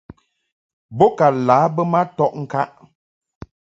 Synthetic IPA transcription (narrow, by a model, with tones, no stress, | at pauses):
bɔ˦ka˨laː˨˦bə˦ma˦tɔ˦ʔŋ̩˦ka˦ʔ